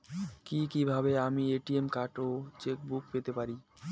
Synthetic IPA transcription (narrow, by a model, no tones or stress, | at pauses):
kikibʱabeamieʈiemkaʈot͡ɕek̚buk̚pet̪epaɾi